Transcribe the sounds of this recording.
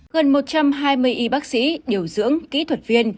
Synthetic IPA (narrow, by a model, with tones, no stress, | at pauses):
ɣə˨˩nmo˨˩t̚t͡ɕa˧mɦaː˧jmɨ˧əjʔi˧ɓaː˦˥k̚sḭ˧˥ɗi˨˩əwzɨ̰˧˥əŋkḭ˧˥t̪ʰwə˨˩t̚vi˧ən